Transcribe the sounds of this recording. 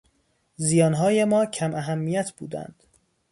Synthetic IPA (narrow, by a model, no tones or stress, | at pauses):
zijɒːnɦɒːjemɒːcʰæmʔæɦæmːijæt̪ʰb̥ṵːd̪æ̰nd̪̥